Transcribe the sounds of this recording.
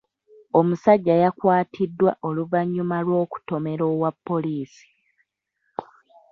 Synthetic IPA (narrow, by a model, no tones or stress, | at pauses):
o̞musaɟːajakwaːtʰidːwaʔo̞luvaɲːumalwo̞ːku̥tome̞ɾo̞ːwapːo̞liːsi̥